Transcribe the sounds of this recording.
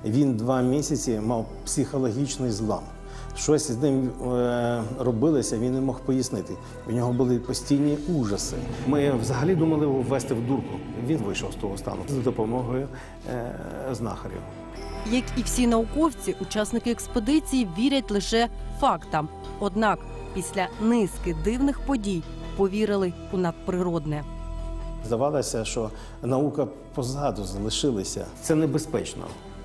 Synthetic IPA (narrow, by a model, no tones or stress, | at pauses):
ʋʲind̪ʋɑmʲisʲɐt͡sʲimɑw | psʲixɔlˠɔɦʲit͡ʃnɪjzlˠɑ̰m | ʃt͡ʃɔsʲznɪm | rɔbɪlˠɔsʲɐʋʲinːɛmɔxpɔjisnɪt̪ɪ | udnʲɔɦɔbʊlˠɪpɔsʲtʲijnʲiuʒɐsɪmɪwzɐɦɐlʲid̪umɐlˠɪjʋːɛst̪ɪwd̪urkʊʋʲinʋɪʃɔwst̪ɔɦɔst̪ɑ̰nʊzɐd̪ɔpɔmɔɦɔjʊ | znɑ̰xɐɾʲḭw | jɐkiwsʲinɐʊkɔwt͡sʲiʔʊt͡ʃɑsnɪkɪɛkspod̪ɪt͡sʲijiʋʲiɾʲɐtʲlˠɪʃɛfɑkt̪ɐm | ɔd̪nɑk | pʲisʲlʲɐnɪskɪd̪ɪwnɪxpɔdʲij | pɔʋʲiɾɪlˠɪ | unɐd̪̚pɾɪɾɔd̪nɛ | zd̪ɐʋɑlˠɐsʲɐʃt͡ʃɔ | nɐukɐ | pɔzɑd̪ʊzɐlˠɪʃɪlˠɐsʲɐ̰t̪sɛnebespɛt͡ʃnɔ̰